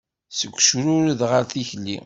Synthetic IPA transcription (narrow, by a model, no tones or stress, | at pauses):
səɡʷːʃɾʊɾiðʁəɾθiçlːḭ